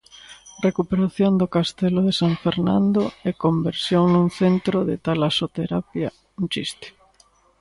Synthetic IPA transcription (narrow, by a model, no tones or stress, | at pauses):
rekupeɾaθjond̪okast̪eloðesaɱfeɾnã̰nd̪oɛkombeɾsjoŋnuŋθent̪ɾoðɪ̰t̪alasot̪eɾapja | nt͡ʃist̪ɪ̥